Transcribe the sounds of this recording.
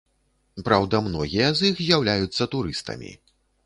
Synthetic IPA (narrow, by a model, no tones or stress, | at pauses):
pɾawd̪ɐmnɔɣʲijɐzixzʲjawlʲajut̪sːɐt̪uɾɨst̪ɐ̰mʲḭ